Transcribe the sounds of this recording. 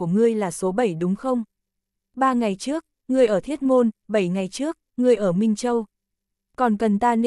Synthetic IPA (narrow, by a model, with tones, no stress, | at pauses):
əŋɨ˧əjlaː˨˩so˨˦ɓə˧˩jɗʊ˨˦ŋ͡mxə˧wŋ͡m | ɓaː˧ŋa˨˩jt͡ɕɨ˦˥ək̚ | ŋɨ˧əjʔəː˧˩t̪ʰi˦˥ət̚mo˧nɓə˧˩jŋa˨˩jt͡ɕɨ˦˥ək̚ŋɨ˧əjʔəː˧˩mï˧ŋ̟t͡ɕə˧w | kɔ˨˩nkə˨˩nt̪aː˧n